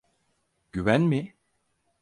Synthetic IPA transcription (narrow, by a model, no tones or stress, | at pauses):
ɟ̥yvænmɪ